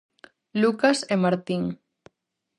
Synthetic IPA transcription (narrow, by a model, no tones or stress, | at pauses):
lukasemaɾt̪iŋ